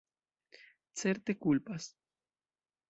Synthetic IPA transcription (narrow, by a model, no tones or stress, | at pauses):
t͡seɾt̪ekulpas